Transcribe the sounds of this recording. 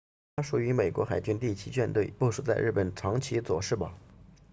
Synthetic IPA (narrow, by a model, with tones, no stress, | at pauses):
a˥ʂu˨˩y˧˥me˨˩ɪkwɔ˧˥xa˨˩ɪt͡ɕy˥nt̪i˥˩t͡ɕʰi˧˥t͡ɕɥɛ˥˧nt̪we˥˩ɪpɔ˥˧ʂu˥˩t͡sa˥˧ɪɻ̩˥˩pə˨˩nʈ͡ʂʰɑ˧˥ŋt͡ɕʰi˧˥t͡swɔ̰˨˩ʂɻ̩˥˩bɐ̰˩